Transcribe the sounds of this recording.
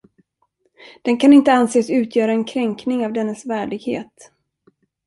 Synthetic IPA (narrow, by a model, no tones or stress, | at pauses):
d̪̥ɛnkʰanɪnt̪əanseːsʉ̟ːt̪ʰjœːɾaɛnkʰɾɛŋknɪŋavd̪ɛnːəsvæːɖɪɡhḛːt̪